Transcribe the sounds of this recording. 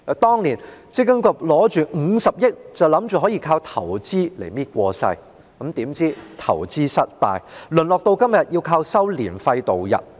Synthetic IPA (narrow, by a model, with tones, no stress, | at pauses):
t̪ɔː˥ŋnliː˨˩nt͡si˥kɐ˥ŋkɔ˧k̚lɔː˨˥t͡ʃyː˨ŋ̩˨˧˥sɐ˨p̚jɪ˥t̚t͡sɐ˨wlɐ˨˥mt͡ʃyː˨ɦɔː˨˥jiː˨˧kʰaː˧wt̪ʰɐ˨˩wt͡siː˥le˨˩jmiː˥t̚kʷɔː˧sɐ̰˧j | kɐ˨˥mt̪iː˨˥mt͡siː˥t̪ʰɐ̰˨˩wt͡siː˥sɐ˥t̚pa̰ː˧jlɵ˨nlɔː˨k̚t̪o˧wkɐ˥mjɐ˨t̚ji˧wkʰaː˧wsɐ˥wlḭː˨˩nfɐ˧jt̪o˨wjɐ̰˨˩t̚